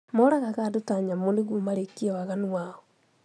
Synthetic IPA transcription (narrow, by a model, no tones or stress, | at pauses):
moɾaɣaɣadotaɲamoneɣwomaɾekːiɔwaɣanwaɔ